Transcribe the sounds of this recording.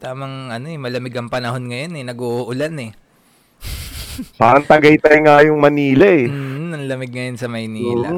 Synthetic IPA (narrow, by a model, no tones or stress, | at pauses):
t̪aːmɐŋʔɐno̞ɛmɐlɐmɪɡɐŋpɐnɐho̞nŋɐjo̞nɛnɐɡoʔʔʊlanɛ | paːɾɐŋt̪ɐɡɐjt̪ajŋajʊŋmɐniːlɐʔɛɐŋlɐmɪɡ̚ŋɐjonsɐmɐjniːlɐ